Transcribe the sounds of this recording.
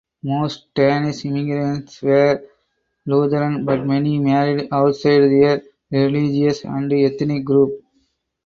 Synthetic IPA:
moːsʈʈaːnɪsɪmɪɡɾə̃nʈsʋeːɾ | luːd̪əɾə̃nbɐʈ̚mɛnimæːɾɪɖaʊʈsaɪɖd̪eəɾ | ɾɪlid͡ʒiəsæ̰̃nd̪iɛt̪ːnɪk̚ɡɾuːp̚

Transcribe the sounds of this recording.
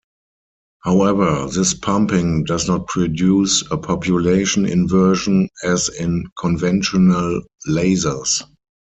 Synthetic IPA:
haʊɛvə˞ðɪspʰãmpɪ̃ŋdaznɔt̚pʰɹɔdjuːsəpʰɔpʰjuleɪʃə̃nɪ̰̃nvɜ˞ʒə̃nɛzɪ̃nkʰɔ̃nvɛ̃nʃɔnəlːeɪzə˞s

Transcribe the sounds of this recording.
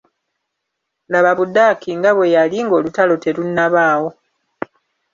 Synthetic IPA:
laβaβudakiŋɡaβwe̞jaliŋɡo̞ːlutalo̞te̞lunːaβaːwo̞

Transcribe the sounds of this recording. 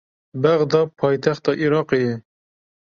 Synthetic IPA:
bɛɣd̪ɑːpʰɑːjt̪ʰɛxt̪ɑːʔiɾɑːqejɛ

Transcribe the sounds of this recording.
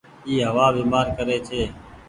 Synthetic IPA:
iːɦəʋaːʋeːmaːɾkəɾeːt͡ʃʰeː

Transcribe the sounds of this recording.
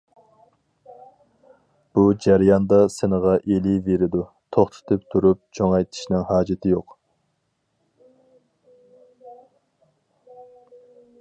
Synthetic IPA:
b̥ud͡ʒæɾjɑnd̪ɑsɪnəʁɑʔeliveɾɪd̪u | t̪ʰoχt̪ʰʊ̥t̪ʰɨpt̪ʰuɾup̚t͡ʃʰoŋɑjt̪ʰi̥ʃnɪŋhɑːd͡ʒɪt̪ʰɪjoq

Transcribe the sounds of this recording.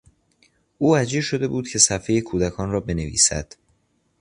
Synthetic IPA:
ʔuːæd͡ʒiːʃo̞d̪e̞buːd̪̚cʰe̞sæfejekʰuːd̪ækʰɒːnrɒːbe̞nevḭːsæ̰d̪̥

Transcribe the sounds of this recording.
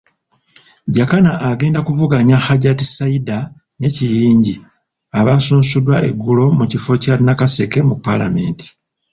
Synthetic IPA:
ɟakanaʔːɡe̞ːndakuvuɡaɲaxaɟatisaida | ne̞cijiːɲɟi | aβasuːnsudwaʔe̞̰ɡːulo̞mucifo̞caːɾinakase̞ke̞mupːala̰me̞̰ːnti̥

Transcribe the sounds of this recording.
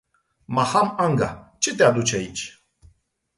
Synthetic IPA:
mahamaŋɡa̰t͡ʃe̞t̪ead̪ut͡ʃeait͡ʃʲ

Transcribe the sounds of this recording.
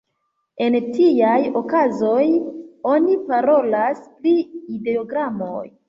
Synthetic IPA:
e̞ntiajo̞kazo̞jo̞nipaɾo̞laspɾiideoɡɾamo̞̰j

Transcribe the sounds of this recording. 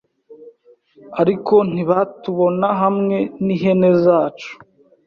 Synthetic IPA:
aɾiko̞n̥iβatuβo̞naɦamŋe̞niɦe̞ne̞zaːt͡ʃu̥

